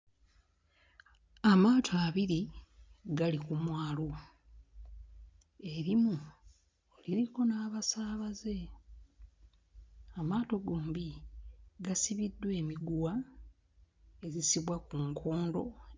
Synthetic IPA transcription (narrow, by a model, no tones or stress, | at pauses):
amaːtʰaβiɾi | ɡalikumwaːlo | e̞ɾimu | oliɾiko̞naːβasaːβaze̞ | amaːto̞ɡoːmbi | ɡasiβidːwe̞ːmiɡuwa | e̞zisiβwakuŋkʰo̞ːndo̞̰